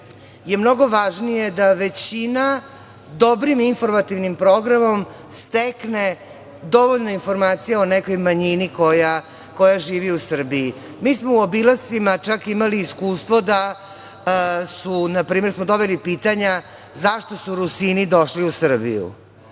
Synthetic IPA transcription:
je̞mno̞ɡo̞ʋaʒnije̞d̪aʋe̞t͡ɕina | d̪o̞bɾiminfo̞ɾmat̪iʋnimpɾoɡɾamo̞m | st̪ekne | d̪o̞ʋoʎnoinfo̞ɾmaːt̪sijaoneko̞jmaɲinikoja | ko̞jaʒiːʋiusr̩bii | miːsmouobilˠast̪simat͡ʃakimaliːskuːst̪ʋo̞d̪a | sunapɾiːmeɾsmod̪o̞βilipiːt̪aɲa | zaʃt̪o̞suɾusinid̪o̞ʃliusr̩bḭjṵ

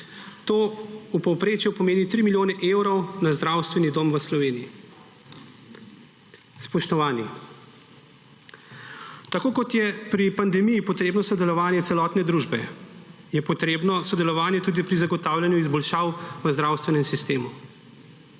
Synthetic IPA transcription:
t̪oːupɔwpɾeːt͡ʃjɛpɔmeːnit̪ɾimiljoːnɛʔeːwɾɔwnazd̪ɾawst̪ʋɛnid̪oːmʋəslɔʋeːnii | spɔʃt̪ɔʋaːni | t̪akoːkɔt̪jɛpɾipand̪ɛmijipɔt̪ɾeːbnɔsɔd̪ɛlɔʋaːnjɛsɛlɔːt̪nɛd̪ɾuːʒbɛ | jɛpɔt̪ɾeːbnɔsɔd̪ɛlɔʋaːnjɛt̪uːd̪ipɾizaɡɔt̪aːwlʲjanjuizbɔlʃaːwʋəzd̪ɾawst̪ʋɛnɛmsist̪eːmu

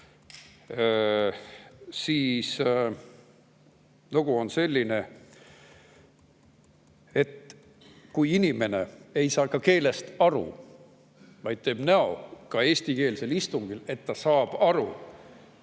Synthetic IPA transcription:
siːs | noɡ̥uo̞nse̞lʲːine̞ | e̞t̪ | kujinime̞ne̞e̞jsɑːkɑke̞ːle̞st̪ɑɾṵ | vɑjd̪̥̚t̪e̞ːb̥næo̞̰kɑe̞ːsʲt̪ike̞ːlse̞list̪uŋɡ̥ile̞t̪ːɑsɑːb̥ɑɾu

